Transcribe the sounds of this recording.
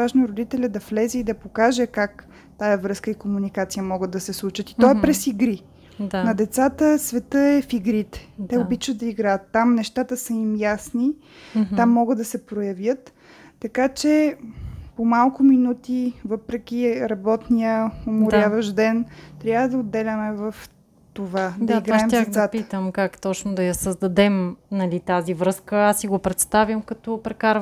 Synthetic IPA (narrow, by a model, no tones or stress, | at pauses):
aʒnoɾod̪it̪ɛlʲəd̪ɐflɛzɛid̪ɐpokaʒɛkak | t̪ajɐvɾɤskəikomunikat̪sijəmɔɡəd̪ɐsɛslˠut͡ʃət̪it̪ɔɛpɾɛsiɡɾi | d̪nɐd̪ɛt̪sat̪əsvɛt̪ɤɛfiɡɾit̪ɛ̥t̪ɛobit͡ʃvət̪d̪ɐiɡɾajət̪ːamnɛʃt̪at̪əsəimjasni | amːɔɡəd̪d̪ɐsɛpɾojɐvjət̪ː | ɐkat͡ʃɛ | pomalˠkʊminut̪ivɤpɾɛk̟ʲiɾɐbɔt̪nijəomʊɾʲavɐʒd̪ɛnt̪ɾʲjabvvəd̪ɐod̪ːɛlʲəmɛvəf | t̪ovad̪iɡɾaaɛmʲzaat̪t̪əmkakt̪ɔt͡ʃnʊd̪ɐjɐsəzd̪ɐd̪ɛmnɐlit̪azivɾɤskəasiɡopɾɛt̪st̪avʲjəmkɐt̪ɔpɾɛkaɾv